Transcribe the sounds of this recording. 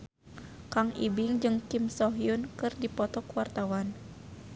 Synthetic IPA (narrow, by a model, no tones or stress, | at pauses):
kaŋḭbiŋd͡ʒɨŋkimsɔɦjunkɨrdipɔt̪ɔkwart̪awan